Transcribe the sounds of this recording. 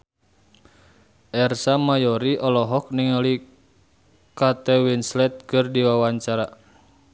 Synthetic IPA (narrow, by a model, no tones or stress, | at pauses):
ʔɛrsamajɔɾiʔɔlɔɦɔk̚niŋali | kat̪ɛwinslɛt̪̚kɨrdiwawaɲt͡ʃaɾa